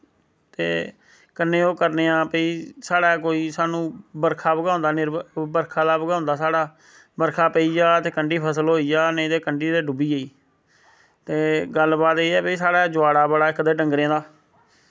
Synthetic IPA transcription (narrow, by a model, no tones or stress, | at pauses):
t̪ḛː | kənːẽːoːkəɾneːãːpəiːsaːɽaːk̬oːiːsaːnũːbəɾkʰaːbəɡaːʊ̃nd̪aːnɪɾbəɾkʰaːd̪aːbəɡãːʊ̃nd̪aːsaːɽaː | bəɾkʰaːpəiːd͡ʒaːt̪eːkəɳɖiːpʰəsəlɦoːiːd͡ʒaːned̪eːkəɳɖiːd̪eːɖʊbiːeiː | t̪eːɡəlbaːt̪eːɛːpəiːsaːɽaːd͡ʒʊaːɽaːbəɽaːɪkd̪eːɖəŋɡɾẽːd̪aː